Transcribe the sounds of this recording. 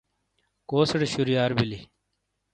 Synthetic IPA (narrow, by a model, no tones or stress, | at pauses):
koːsɐɽeɕuɾjaːɾbili